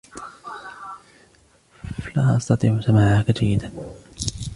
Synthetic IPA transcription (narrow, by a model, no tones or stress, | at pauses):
laːʔɑsˤt̪ɑt̪ˤiːʕʊsamaːʕakad͡ʒajːɪd̪an